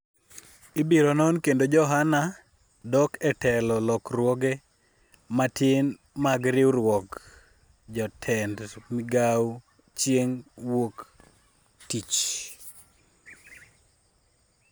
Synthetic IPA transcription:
ibiɾɔnɔnkendod͡ʒɔɦana | dɔkɛtʰɛlɔlɔkɾwɔɡɛ | matɪn | maɡɾɪwɾwɔk | d͡ʒɔtʰɛndmɪɡaw | t͡ʃjeŋwok | tit͡ʃ

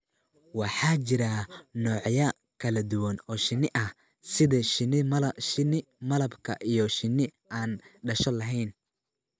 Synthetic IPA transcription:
wɑħɑːt͡ʃɪɾɐnɔːʕjɐ | kʰɐlɐd̪ʊwɐnɔːʃɪnɪʔɐh | sɪðɐʃɪnɪmlʃɪnɪ | mɐlɐbkʰɐ̰ʔijɔʃɪnːɪ | aːnɖɐʃɔlɐɦɛjn

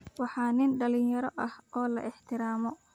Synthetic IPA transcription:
wɑħɑːnɪnɖɐlɪnjɐɾɔʔɐhɔːlɐ̰ʔɪħt̪ʰɪɾaːmɔ

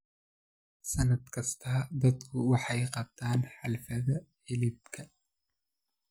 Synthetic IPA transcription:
sɐnɐd̪kʰɐst̪ʰɐːd̪ɐd̪kʰʊwɑħɑjjqɑb̚t̪ʰaːnħɑlfɐðɐħɪlib̚kʰɐ

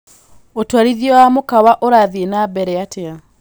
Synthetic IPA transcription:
otwaɾiðiɔwamokawaʔoɾaːðienabɛɾɛatea

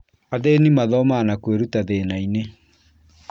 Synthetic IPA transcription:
aðenimaðɔmaːnakweɾutaðenaine

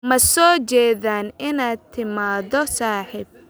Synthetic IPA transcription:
mɐsɔːt͡ʃɛːðaːnɪnaːt̪ʰɪmaːðɔsaːħiːb̚

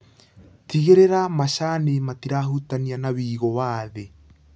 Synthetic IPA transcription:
tiɣeɾeɾamaɕanematiɾaɦutanianaβiːɣɔwaːðe

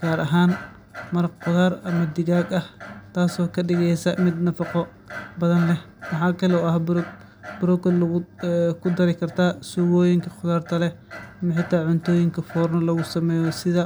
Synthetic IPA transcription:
ɡ̥aːɾɐɦaːn | mɐɾɐqqʊðaːrɐmɐd̪ɪɣaːɡɐht̪ʰaːsɔːkʰɐɖɪɣɛjsɐmɪd̪nɐfɑqɔ | bɐðɐnlɛh | wɑħɑːkʰɐlɛʊɐhb | bʊɾɔkɐ | kʰʊd̪ɐɾɪkʰɐrt̪ʰaːsuɣɔːjɪŋkʰɐqʊðaːrt̪ʰɐlɛɐmɐħɪt̪ʰːaːʕʊnt̪ʰɔːjɪŋkʰɐfɔːrnɐlɐɣʊsɐmɛːjɔsɪðɐ

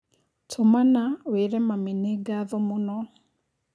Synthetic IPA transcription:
tʰomanaweɾɛmaminɛɡaðɔmʊnɔ

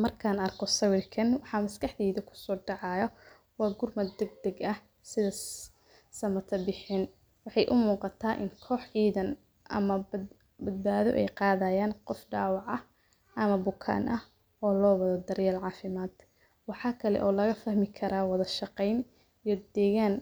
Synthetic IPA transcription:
mɐrkʰaːnɐrkʰɔsɐwɪrkʰɐnwɑħɑmɐskʰɐħd̪iːðɐkʰʊ̥sɔːɖɑʕɑjɐ | wɑːɡʊrmɐd̪ɛɡ̚d̪ɐɡɐh | sɪðɐ | sɐmɐt̪ʰɐbɪħɪn | wɑħɑjʔʊmuːqɑt̪ʰaːʔɪ̰ŋkʰɔːħʕiːðɐn | ʔɐ̰mɐb | bɐd̪̚baːðɔ̰ʔɛ̰jqɑːðɐjaːnqɔfɖɑːwɑʕɐ | ʔɐmɐbʊkʰa̰ːnʔɐh | ɔːlɔːwɐðɐd̪ɐɾjaːlʕɑːfɪmaːd̪ | wɑħɑːkʰɐlɛ̰ʔɔːlɐɣɐfɐhmɪkʰɐɾaːwɑðɐʃɑqɛjn | ijɔd̪ɛːɣaːn

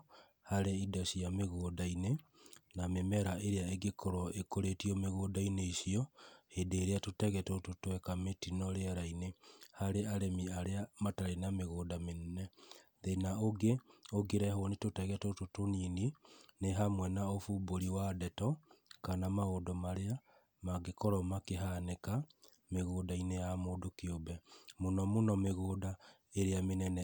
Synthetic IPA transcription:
haɾeidɔsiameɣoːdaine | namemɛɾaʔeɾeaeɡekɔɾɔʔekoɾetiɔmeɣoːdaineisiɔhedeːɾeatotɛɣɛtototowɛkametinɔɾeaɾainehaɾeaɾemiaɾeamataɾenameɣoːdamennɛðenaoɡeoɡeɾɛɦonetotɛɣɛtototoninineɦamwɛnaofuboɾiwadɛtɔkanamaodɔmaɾea | maɡekɔɾɔmakeɦaneka | meɣoːdainejamodokiobɛmonɔmonɔmeɣoda | eɾeamenɛnɛ

